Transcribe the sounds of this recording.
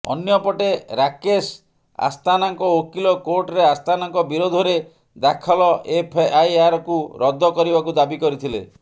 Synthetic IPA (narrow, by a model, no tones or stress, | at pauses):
ɔ̰njɔpɔʈeɾakes | a̰st̪anaŋkɔokilɔkoɾʈɔɾeast̪ʰanaŋkɔbiɾod̪ʱɔɾe | d̪akʰɔlɔʔepʰajaɾɔkuɾɔd̪ʱːɔkɔɾibakud̪abikɔɾit̪ʰilḛ